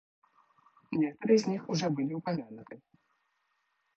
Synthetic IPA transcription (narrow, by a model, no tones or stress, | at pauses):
nʲɛkt̪ɐɾɨɛzʲnʲixuʐɔbɨlʲiupamʲanut̪ɨ